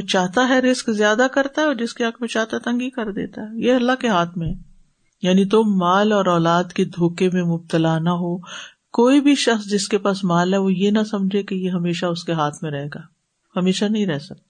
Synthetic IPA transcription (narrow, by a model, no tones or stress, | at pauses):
t͡ʃaːɦt̪aɦɛɾɪskzjaːd̪akɐɾt̪aɦɛɔːɾd͡ʒɪskeɐkʰmẽt͡ʃaːɦt̪aɛt̪ɐ̃ŋɡikɐɾd̪ḛːt̪aɦɛjeɐlːaɦkeɦaːt̪ʰmẽɦɛː | jaːnit̪omaːlɔːɾɔːlaːd̪ked̪ʱoːkemẽmʊb̚t̪əlanɐɦoː | koːibʱiʃɐxsd͡ʒɪskepaːsmaːlɦɛʋojenɐsɐmd͡ʒʱekejeɦɐmeːʃaʊskeɦaːt̪ʰmẽɾɐɦeːɡaː | hɐmeːʃanɐɦĩɾɛɦsɐk̚t̪a